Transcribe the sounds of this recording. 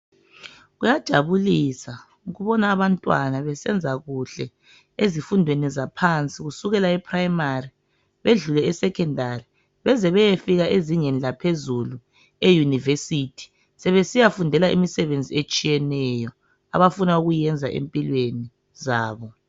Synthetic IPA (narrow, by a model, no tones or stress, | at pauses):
ɣujad̥ʒ̥ʱaβulisa | uɣuβɔnaːβantʼwanaβɛsɛnd͡zʱaɣuɬɛ | ezifundʱwenizapʰant͡sʼiɣusuɣɛlaɛpʰʼrajmari | βeɮulɛɛsɛkʰɛndʱari | βɛzɛβɛjefiɣaʔeziŋenilapʰezulu | ejunivesitʰi̥ | sɛβesijafundʱɛlaʔḭmisɛβend͡zʱiet͡ʃʼijɛnɛjɔ | a̰βafunauɣujɛnd͡zʱa̰ʔḛmpʼilweni | zaːβɔ